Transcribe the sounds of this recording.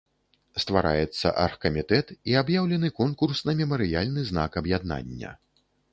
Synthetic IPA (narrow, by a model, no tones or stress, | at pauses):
st̪vaɾa̰jɛt̪sːɐ̰ʔa̰rxkɐmʲit̪ɛt̪iabjawlʲɛnɨkɔnkursnɐmʲɛmɐɾɨjalʲnɨzna̰kɐbjad̪na̰nʲːɐ̰